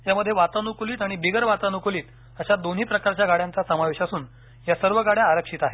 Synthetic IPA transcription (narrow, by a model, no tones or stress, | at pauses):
jaməd̪ʱːjeʋat̪anukliːt̪aɽ̃ibiɡəɾʋat̪anukliːt̪ | əɕad̪on̤ɦiːpɾəkaɾt͡ɕjaɡaɽjãnt͡sasəmaʋeɕasuːn | jasəɾʋəɡaɽjaːɾəkʂiːt̪aɦe